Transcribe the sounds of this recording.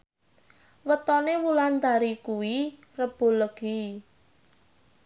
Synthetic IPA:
wət̪ɔnewulant̪aɾikuwi | rəb̥o̤ləɡ̥i

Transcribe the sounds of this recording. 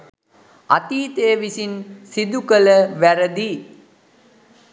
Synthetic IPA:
at̪iːt̪ejʋisinsid̪ukələʋæɾəd̪i

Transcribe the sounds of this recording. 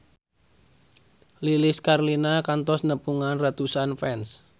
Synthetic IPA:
lilɪskarlinakant̪ɔsnəpuŋanrat̪usanfɛns

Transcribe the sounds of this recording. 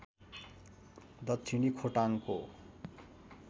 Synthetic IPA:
d̪ʌt̪ːʰinikʰoʈaŋko̰

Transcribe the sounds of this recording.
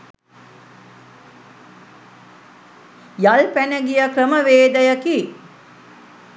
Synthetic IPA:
jalpænəɡijəkrəməʋeːd̪əjəki

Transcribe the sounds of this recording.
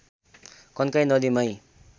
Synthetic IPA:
kʌnkajnʌd̪imʌj

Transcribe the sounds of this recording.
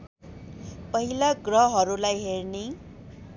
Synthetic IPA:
pʌɦilaɡrʌɦʌɾulajɦerne

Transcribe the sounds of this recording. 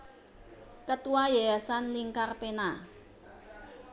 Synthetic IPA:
kət̪uwajɛsanliŋkarpena

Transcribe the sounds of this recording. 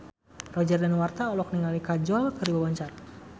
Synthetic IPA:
rɔd͡ʒardanwart̪aɔlɔk̚niŋalikad͡ʒɔlkərdibawɔɲt͡ʃar

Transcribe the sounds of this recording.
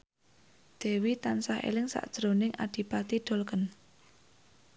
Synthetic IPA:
d̪̥e̤wit̪ansahḛlɪŋsa̰ʔd̥ʒ̥ɾonɪŋʔa̰d̥i̤pat̪iɖ̪̥o̤lkən

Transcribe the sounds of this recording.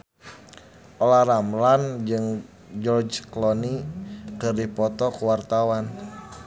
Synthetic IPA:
ʔɔlahramland͡ʒɨŋ | d͡ʒɔrd͡ʒklɔnikɨrdipɔt̪ɔkuwart̪awan

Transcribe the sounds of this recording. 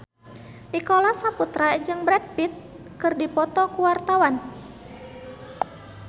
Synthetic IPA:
ʔikɔlasaput̪ɾad͡ʒɨŋbɾɛd̚pit̪̚ | kɨrdipɔt̪ɔkuwart̪awan

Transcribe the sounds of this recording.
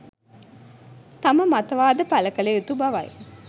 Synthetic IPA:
t̪aməmat̪ɐʋaːd̪əpæləkəleot̪ubaʋɐ̰j

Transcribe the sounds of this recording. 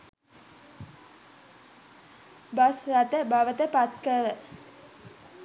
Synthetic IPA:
basrat̪əbaʋət̪əpat̪kəɾə

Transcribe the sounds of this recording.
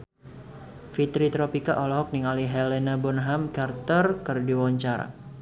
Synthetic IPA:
fit̪ɾit̪ɾopikaʔɔlɔɦɔk̚niŋaliɦɛlɛnabɔnɦamkart̪ərkərdiwɔɲt͡ʃaɾa̰

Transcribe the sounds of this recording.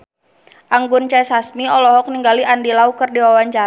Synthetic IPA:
ʔaŋɡʊnt͡ʃasasmiɔlɔɦɔk̚niŋɡaliandilaukɨrdiwawaɲt͡ʃaɾ

